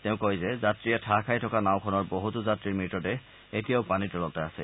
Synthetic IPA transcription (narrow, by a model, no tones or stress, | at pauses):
tɛʊ̃kojzɛzatɹijɛtʰakʰajtʰɔkanaʊ̃kʰɔnɔɹboɦutuzatɹiɹmitɔtɛ | etijaʊpanitɔlɔtɛasɛ̰